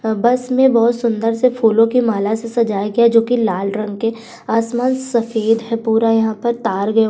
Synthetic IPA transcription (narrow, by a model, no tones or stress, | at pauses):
bɐsmẽbɔːʊt̪sʊ̃nd̪əɾsefʰuːlõkimaːlasesɐd͡ʒaːjɡɐjad͡ʒoːkilaːlɾɐ̃ŋɡke | aːsmaːnsɐfeːd̪ɦɛpuːɾajɐɦãpɐɾt̪aːɾɡɐjo